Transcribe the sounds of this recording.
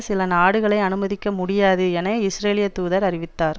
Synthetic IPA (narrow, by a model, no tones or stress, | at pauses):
sɪlɐnaːɽɯɣɐɭɐɪɐnɯmɐðɪkːɐmʊɽɪjaːðɯɛnɐɪsɾeːlɪjɐt̪ːuːðɐɾɐrɪʋɪt̪ːaːɾ